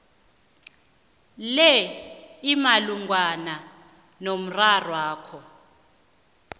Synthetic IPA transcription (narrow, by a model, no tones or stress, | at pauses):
lɛimaluŋwana | nom̩rarwaːkʰɔ